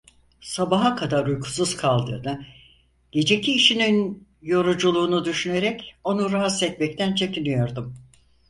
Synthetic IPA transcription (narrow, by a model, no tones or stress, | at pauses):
sabaɦakʰad̪aɾujkʰu̥suz̥kʰalˠd̪ɯ̰ːd̪a | ɟ̥e̞d͡ʒe̞cʰiːʃininjo̞ɾud͡ʒulˠuːnud̪yʃyne̞ɾɛco̞nuɾaɦat̪sɛt̪̚mɛc̚t̪ʰænt͡ʃʰe̞cinijo̞ɾd̪um